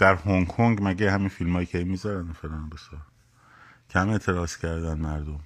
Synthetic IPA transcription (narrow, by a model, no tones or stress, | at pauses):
d̪̥æɾhoŋkʰoŋɡmæɟehæminfilmhɒːjicʰemizɒɾænefeɾɒːnbesɒːɾ | cʰehæme̞t̪ʰeɾɒːz̥cʰæɾd̪ænmæɾd̪om